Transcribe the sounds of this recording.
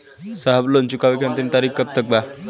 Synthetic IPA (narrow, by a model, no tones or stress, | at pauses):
saɦəblont͡ɕukaʋikʰant̪int̪aɾikkːəp̚t̪ək̚ba